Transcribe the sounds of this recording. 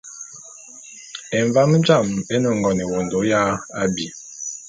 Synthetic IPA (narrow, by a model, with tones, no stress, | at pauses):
ɛ˨ɱva˦m˦d͡ʒa˦˨mɛ˦nɔ˨ŋ˨ɡɔ˨nɛ˨wo˨ndo˨˦ja˦a˦bi˨